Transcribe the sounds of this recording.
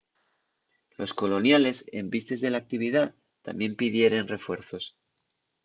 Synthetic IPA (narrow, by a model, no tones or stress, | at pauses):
lo̞sko̞lo̞njale̞se̞̰mbist̪e̞zðe̞lak̚t̪iβ̞iða | t̪a̰mje̞mpið̞je̞ɾe̞nre̞fwe̞ɾθo̞s